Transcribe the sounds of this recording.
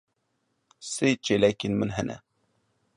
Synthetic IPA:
seːt͡ʃelɛkenmɨnɦɛnʔɛ̰

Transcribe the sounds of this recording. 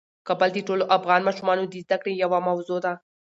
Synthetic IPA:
kabəld̪iʈoloʔafɣɑnmɑʃumɑnod̪izd̪akɽejawamawzod̪a

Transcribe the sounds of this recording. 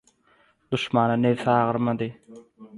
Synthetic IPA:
d̪uʃmɑnɑnewθɑːʁɯɾmɑd̪ɯ

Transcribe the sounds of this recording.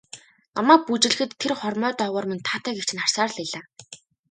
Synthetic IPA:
namaːk̚put͡ɕɪ̆ɮɘ̆xɘ̆t̪ʰːerχɔrmœːt̪ɔʁɔːrmint̪ʰaːt̪æːɡekt͡ɕʰɪ̆nχar̥saːr̆ɮiɮaː

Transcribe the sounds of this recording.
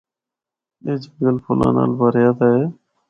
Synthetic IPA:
eːd͡ʒɡəlpʰʊla̰ːna̰ːlbəɾjaːt̪aːeː

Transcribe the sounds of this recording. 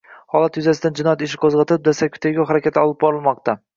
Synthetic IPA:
hɒlˠat̪jʊzasɪd̪and͡ʒɪnɒjat̪ɪʃ̬ɪqʰozʁɑt̪ɪɪp̚d̪asakʲʰːʊ̥t̪ʰaɡʲawɦaɾakʲʰat̪ʰɪɒlˠɪp̚bɒɾɪlˠmɒqt̪a

